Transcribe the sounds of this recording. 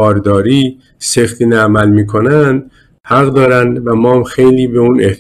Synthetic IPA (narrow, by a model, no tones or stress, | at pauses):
ɒːɾd̪ɒːɾiː | sext̪ʰinæmælmiːkʰo̞nænd̪ | hæɣd̪ɒːɾænd̪væmɒːmxejliːbe̞une̞ht̪